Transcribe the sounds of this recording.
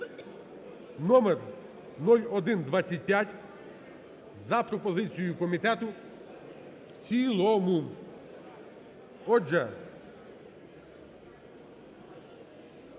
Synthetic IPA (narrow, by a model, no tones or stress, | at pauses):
nɔmɛr | nɔlʲɔd̪ɪnd̪ʋat͡sʲːɐt̚ʲpʲjatʲ | zɐpɾɔpɔzɪt͡sʲijʊkɔmʲit̪ɛt̪ʊ | wt͡sʲilˠɔmʊ | ɔd͡ʒɛ